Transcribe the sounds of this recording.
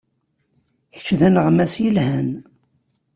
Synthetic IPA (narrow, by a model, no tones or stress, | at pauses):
çə̥t͡ʃːðænəʁmæsjəlhæn